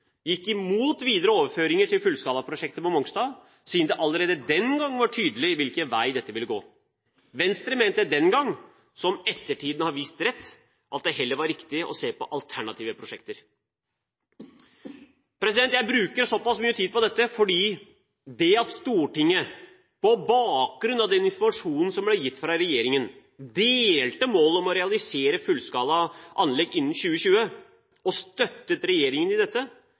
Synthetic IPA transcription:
jɪkːɪmuːt̪ʋiːd̪əɾəoːʋəɾføːɾɪŋəʈɪlfʉlskɑːlɑpʰɾʊʂɛk̚t̪əpɔmɔŋɡsd̪ɑː | siːnd̪ɛʔɑlːəɾeːd̪əd̪ɛnɡɑŋːʋɑʈʰyːd̪əlɪʋɪlkəʋæɪd̪ɛt̪ːəʋɪlːəɡo̰ː | ʋɛnst̪ɾəmeːnt̪d̪əd̪ɛnɡɑŋː | sɔmɛt̪ːəʈʰiːd̪nəhɑɾʋiːst̪ɾɛt̪ː | ʔɑt̪̚d̪ɛɦɛlːəɾʋɑɾɾɪkt̪ɪʔɔ̰seːpɔʔɑlt̪ʰæɳɑt̪ʰiːʋəpʰɾʊʂɛkt̪əɾ | pɾɛs̬ɪd̪ɛnt̪jæɪbɾʉːkəɾʂɔpɑsmyːət̪ʰiːd̪̚pɔd̪ɛt̪ːəfɔɖiː | d̪ɛɑt̪st̪uːʈɪŋːə | pɔbɑːk̚ɡɾʉnɑʋd̪ɛnɪnfɔɾmɑʂuːnn̩sɔmblæjɪt̪ːfɾɑɾɛjeːɾɪŋən | d̪eːlt̪əmoːlɔmɔɾɛɑlɪseːɾəfʉlːskɑːlɑʔɑnlɛɡɪnːn̩ɕʉːəɕʉːə | ɔst̪œt̪ːət̪ɾɛjeːɾɪŋənɪd̪ɛt̪ːə

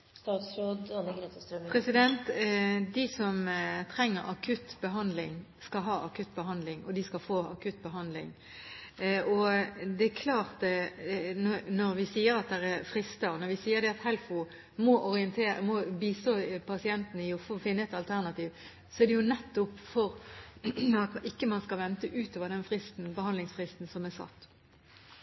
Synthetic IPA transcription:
st̪ɑːt̪sɾoːd̪ɔnɡɾet̪əst̪ɾəpʰʁɛsɪd̪ɛnt̪d̪ɪsɔmt̪ʰɾɛŋːəɾɑkʰʉt̪ːbəɦɑnd̪lɪŋ | skɑɦɑːʔɑkʉt̪ːbəɦɑnd̪lɪŋɔd̪ɪskɑfoːɑkʉt̪̚ːbəɦɑnd̪lɪ̰ŋ | ʔɔd̪ɛækʰlɑːʁt̪ | nɔnɔɾʋɪsiːəɾɑt̪̚d̪ɛʁæfɾɪst̪əɾnɔɾʋɪsiːəɾd̪ɛɑt̪hɛlfʊ | mɔʔɔɾɪənt̪ʰeːmɔbiːsopʰɑsɪɛnt̪nəɪʊffɪnːəɛt̪ɑlt̪ʰæʁnɑt̪iːʋ | sɔɛʁd̪ɛjʊnɛt̪ːʊpfɔɾ | ɑt̪ʔɪkːəmɑnskɑlʋɛnt̪əʔʉːt̪oːʋəɾd̪ɛnfʁɪst̪n̩bəhɑnlɪŋsfʁɪst̪n̩sɔmɛsɑ̰t̪ː

